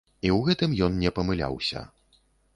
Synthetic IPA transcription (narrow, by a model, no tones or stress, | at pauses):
iwɣɛt̪ɨmjɔnnʲɛpɐmɨlʲa̰wsʲɐ̰